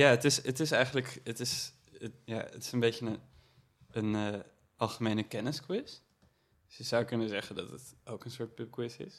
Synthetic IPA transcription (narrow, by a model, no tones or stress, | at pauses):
jaːətɪsətɪsɛjχənləkətɪs | əja̰ːə̰tɪ̥səmbejtənə | ənə | ʔɑlˠχəmejnəkɛnəskwɪs | sjəz̥ʌwkɵnəzɛχəndɑtətowkənsʊːɹt̚pɪp̚kwɪsɪ̰s